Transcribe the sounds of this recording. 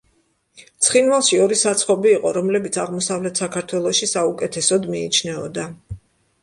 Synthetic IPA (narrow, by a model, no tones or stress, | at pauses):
t̪sʰχinvalˠʃiɔɾisat̪sʰχɔbiːqʼɔɾɔmlɛbit̪sʰaʁmɔsavlɛt̪ʰsakʰaɾt̪ʰwɛlˠɔʃisaukʼɛt̪ʰɛsɔd̪miːt͡ʃʰnɛɔ̰d̪a